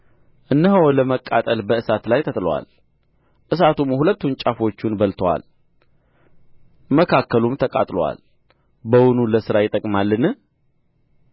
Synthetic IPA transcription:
ʔɨnːəɦəwləməkʼːat̪ʼəlbəʔɨsat̪lajt̪ʰət̪ʼlwa̰l | ʔɨs̬at̪umjhulət̪ːunt͡ʃʼafo̞t͡ʃːunbəlt̪ʰəwa̰l | məkʰakːəlumt̪ʰəkʼa̰t̪ʼlowa̰l | bəwʊnuləsɨɾajɪt̪ʼəkʼmalːɨnɨ

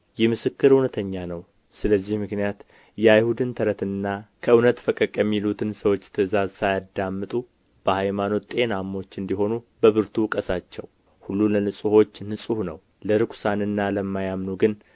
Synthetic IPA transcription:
jɛmɨsɨkːɨɾɨwnət̪ʰəɲːanəw | sɨləzːihmɨknijat̪ | jɛajhud̪ɨnt̪ʰəɾət̪ɨnːakʰəʔɨwnət̪fəkʼəkʼjɛmːilut̪ʰɨnsəwot͡ʃːt̪ʰəzazsajad̪ːamːɨt̪ʼu | b̥əhajmano̞t̪ʼe̞namːo̞t͡ʃːɨnd̪iɦo̞nu | bəβɨɾt̪ʰukʼəsat͡ʃːɛ̰w | hulːulənɨsʼuho̞t͡ʃːnɨsʼuhnəw | ləɾɨkʷsanɨnːaləmːajamnuɡɨn

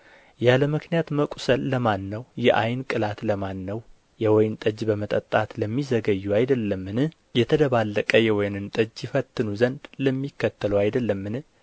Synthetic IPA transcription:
jaləmɨknijat̪məkʼu̥səlːəmanːəwjɛʔajnkʼɨlat̪ləmanːəw | jɛwɔjnt̪ʼəd͡ʒbəmət̪ʼət̪ʼːat̪ləmːizəɡəjːuajd̪əlːəmːɨnɨ | jɛt̪ʰəd̪əβalːəkʼəjɛwɔjnɨnt̪ʼəd͡ʒjɛfət̪ːɨnuzənd̪ləmːikːət̪ʰːəluajd̪əlːəmːɨnɨ

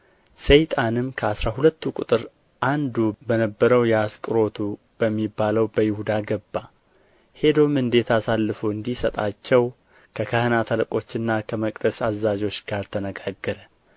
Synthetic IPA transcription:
sejt̪ʼanɨmkʰəasɾahulət̪ːukʼʊ̰t̪ʼɨɾ | ʔand̪ubənəbːəɾəwjɛaskʼɨɾo̞t̪ʰu | b̥əmːibːaləwbəjɪhud̪aɡəbːa | he̞d̪omɨnd̪e̞t̪ʰasalːɨfuɨnd̪isət̪ʼat͡ʃːɛw | kʰəkʰəhənat̪ʰələkʼo̞t͡ʃːɨnːakʰəməkʼd̪əsazːad͡ʒo̞t͡ʃːɡ̥aɾt̪ʰənəɡaɡːəɾə

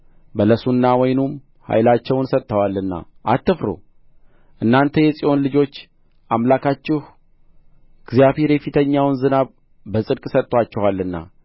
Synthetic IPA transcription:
bələsunːawɔjnum | ha̰jlat͡ʃːɛwnsət̪ʼːəwalːɨnːa̰ʔat̪ːɨfɾo̰ | ʔɨnːant̪ʰəjɛsʼiʔo̞nlɨd͡ʒo̞t͡ʃː | ʔamlakʰat͡ʃːɪh | ɡ̥zijaβhe̞ɾjɛfit̪ʰəɲːawnzɨnaβ | bəsʼɨdkʼsət̪ʼːwat͡ʃːɛwalːɨnːa̰

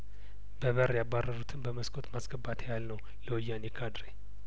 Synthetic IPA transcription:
bəβəɾjabːarːəɾut̪ʰɨnbəməskʰʼo̞t̪masɡəbːat̪ʰejalnəw | ləwjːanekʰad̪ɾe

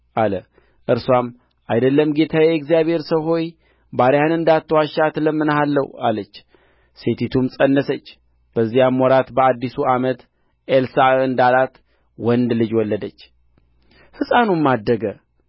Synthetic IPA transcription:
ʔalə | ʔɨɾswam | ʔajd̪əlːəmɡe̞t̪ʰaɛɡzijaβhe̞ɾsəwɦo̞j | baɾejanɨnd̪at̪ːəwaʃat̪ləmːɨnɦalːə̰walət͡ʃː | se̞t̪ʰit̪ʰumsʼənːəsət͡ʃː | b̥əzːijamːwɔɾat̪bəad̪ːisuamət̪ | ʔelsaɨnd̪alat̪ | wɔnd̪lɨd͡ʒwɔlːəd̪ət͡ʃː | hɨsʼanumːad̪ːəɡə

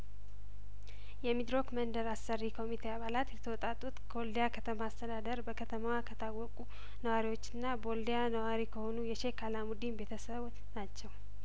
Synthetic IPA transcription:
jɛmid̪ɾo̞kmənd̪əɾasːərːikʰo̞mit̪ʰe̞aβalat̪jɛt̪ʰəwɔt̪ʼat̪ʼːut̪ɡold̪ejakʰət̪ʰəmaast̪ʰəd̪ad̪əɾbəkʰət̪ʰəmawakʰət̪ʰawːɔkʼu | nəwaɾiwo̞t͡ʃːɪnːabo̞ld̪ejanəwaɾikʰəho̞nujɛʃe̞kʰalamud̪imbe̞t̪ʰəsəβut̪nat͡ʃːɛw

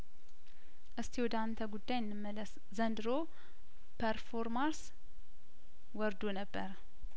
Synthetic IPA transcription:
ʔɨst̪ʰiwɔd̪ant̪ʰəɡud̪ːajɪnːɨmːələs | zənd̪ɨɾo | pʰəɾfoɾmaɾs | wɔɾd̪onəbːəɾ

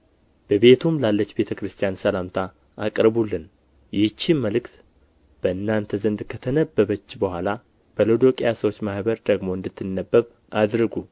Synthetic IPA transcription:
b̥əβe̞t̪ʰumlalːət͡ʃːbe̞t̪ʰəkɾɨst̪ʰijansəlamt̪ʰa | akʼɾəβulːɨn | jɪt͡ʃːimmːəlɨkt̪ | b̥əɨnːant̪ʰəzənd̪kʰət̪ʰənəbːəβət͡ʃːbəhʷala | b̥əlod̪o̞kʼjasəwo̞t͡ʃːmahbəɾd̪əɡmo̞ɨnd̪ɨt̪ʰːɨnːəbːəβ | ʔad̪ɾɨɡu

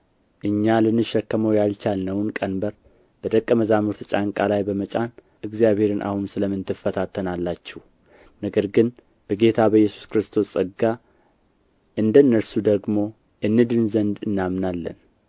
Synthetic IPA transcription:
ʔɨɲːalɨnːɨʃɛkːəməwjalt͡ʃalnəwnkʼənbəɾ | b̥əd̪əkʼːəməzamɨɾt̪ʰɨt͡ʃʼaŋkʼalajbəmət͡ʃʼan | ʔɨɡzijaβhe̞ɾɨnʔa̰hunsɨləmːɨnt̪ʰɨfːət̪ʰat̪ʰːənalːat͡ʃːɛh | nəɡəɾɡɨn | b̥əɡe̞t̪ʰabəjːɛsu̥skɨɾɨst̪ʰo̞sʼɨɡa | ʔɨnd̪ənːəɾsud̪əɡmo̞ | jɛnːɨd̪ɨnzənd̪ɨnːamnalːə̰n

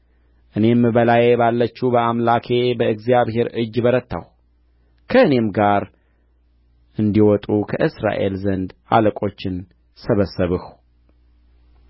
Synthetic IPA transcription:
ʔɨne̞mbəlajebalːət͡ʃːubəamlakʰe̞bəɨɡzijaβhe̞ɾɨd͡ʒːbəɾət̪ːa̰w | kʰəɨne̞mɡaɾ | ʔɨnd̪iwɔt̪ʼukʰəʔɨsɾa̰ʔe̞̰lzənd̪a̰ləkʼo̞t͡ʃːɪn | səβəsːəβɨhu

